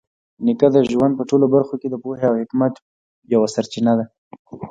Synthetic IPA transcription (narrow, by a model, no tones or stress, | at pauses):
nɪkad̪əʒwand̪̚pəʈolobaɾxoked̪əpoheawhɪkmat̪ | jawasaɾt͡ʃinad̪a